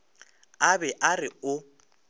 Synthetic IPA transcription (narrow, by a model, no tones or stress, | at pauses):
abɛʔarɪʊ